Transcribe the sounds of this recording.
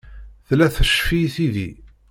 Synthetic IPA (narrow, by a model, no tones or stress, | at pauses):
θlæθəʃfiθiðḭ